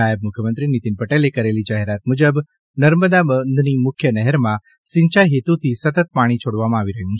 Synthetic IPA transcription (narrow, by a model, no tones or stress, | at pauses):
ajəb̚mʊkʰjəmənt̪ɾinit̪inpəʈelekəɾelid͡ʒaɦeɾat̪mud͡ʒəb | nəɾməd̪abənd̪ʱnimʊkʰjənɛɦəɾmã | siɲt͡ʃaɦet̪ut̪ʰisət̪ət̪̚paɽ̃it͡ʃʰoɽʋamãːʋiɾəɦjũt͡ʃʰ